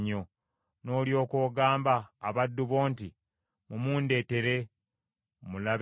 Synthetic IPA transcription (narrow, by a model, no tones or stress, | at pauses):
ɲːo̞ | no̞ːljo̞ːkoːɡaːmbaːβadːuβo̞ːnti | mumuːnde̞ːte̞ɾe̞ | mula